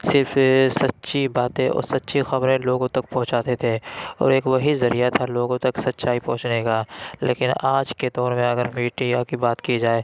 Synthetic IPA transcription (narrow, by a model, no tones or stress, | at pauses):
sɪɾfsɐtːʃʰibaːt̪ẽɔ̰ːɾsɐtːʃʰixɐbɾẽloːɡõt̪ɐk̚pɐɦʊ̃t͡ʃaːt̪et̪ʰeːɔ̰ːɾeːkʋɐɦizɐɾijat̪ʰaloːɡõt̪ɐksɐt̪ːʃaːipɐ̰̃ɦʊ̃t͡ʃnekaːlḛːkɪnaːd͡ʒked̪ɔːɾmẽɐɡəɾmiːʈijakibaːt̪kid͡ʒaːeː